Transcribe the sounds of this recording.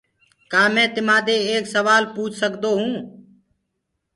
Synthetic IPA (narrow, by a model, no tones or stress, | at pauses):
kaːmɛ̃ːt̪ɪmaːd̪eːeːksəʋaːlpuːt͡ʃʰsəkd̪oːɦũː